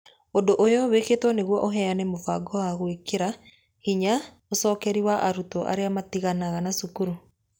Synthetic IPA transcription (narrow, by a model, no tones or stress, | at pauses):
ondoʔojɔweketwɔneɣwɔʔoɦɛanɛmofaɡɔwaɣwekeɾa | hiɲa | osɔːkɛɾiwaʔaɾutɔʔa̰ɾeamatiɣanaɣanasukuɾu